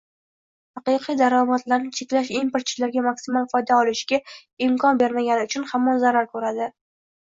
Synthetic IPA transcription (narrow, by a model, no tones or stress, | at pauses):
hɑqɨqʰijd̪aɾɒmat̪laɾnɪt͡ʃʰe̞kʲlaʃimpeɾt̪t͡ʃʰɪ̥laɾɡʲamakʲsɪmalˠfɒjd̪aɒlˠɪʃɡʲaɪmkʰɒnbeɾmaɡʲanɪʊt͡ʃʰʊnhamːɒnzaɾaɾkʰɵɾad̪ɪ